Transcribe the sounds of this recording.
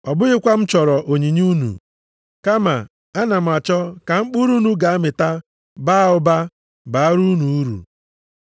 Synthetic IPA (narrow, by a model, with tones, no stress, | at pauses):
ɔ˨bʊ˦ɣɪ˦kʷa˦m̩˦t͡ʃɔ˨ɾɔ˨ʔo˨ɲi˨ɲu˦nṵ˨ | ka˦ma˨ | a˦na˨m̩˨a˨t͡ʃɔ˦ka˨ŋ͡m̩˦k͡pu˦ɾu˦nu˦ɡa˨a˦mɪ˨ta˦ | ba˦ʊ˦ba˦ | ba˨a˦ɾu˦nu˨u˦ɾṵ˨